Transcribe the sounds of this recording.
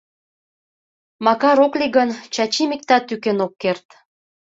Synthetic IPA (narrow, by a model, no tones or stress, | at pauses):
mɑkɑɾokliɣənt͡ɕɑt͡ɕimik̚t̪ɑt̪ːykenokːert̪